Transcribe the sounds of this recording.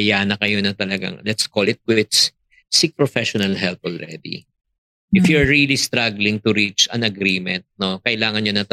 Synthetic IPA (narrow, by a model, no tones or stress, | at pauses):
ɐjaːnɐkɐjonɐt̪ɐlɐɡa̰ŋlɛt̪skolɪt̪̚kwɪt̪s | sik̚pɹɔfɛʃɔnɐlɦɛlp̚ɔlɹɛ̰d̪ḭ | ʔɪfjuɹɹilist̪ɾaɡlɪŋt̪ʊɾit͡ʃɐ̰̃nɐɡɾiːmɛnt̪̚no̞kɐʔɪlaːŋɐnɲonɐt̪